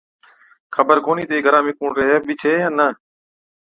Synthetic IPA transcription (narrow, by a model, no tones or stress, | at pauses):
xʰəbəɾkoːniːt̪eːɡʱəɾãːmɪkũːɳɾeɦeːɓɪt͡ʃʰeːjãːnə